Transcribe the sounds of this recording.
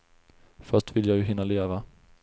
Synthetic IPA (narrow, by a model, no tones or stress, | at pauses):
fœʂʈvɪlːjɑːɡjɵɦɪnːaleːva